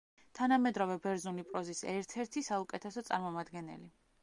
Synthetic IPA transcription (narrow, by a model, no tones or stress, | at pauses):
t̪ʰanamɛd̪ɾavɛbɛɾzulipʼɾɔzisɛɾt̪ʰɛɾt̪ʰisaukʼɛt̪ʰɛsɔt̪sʼaɾmɔmad̪ɡɛnɛ̰li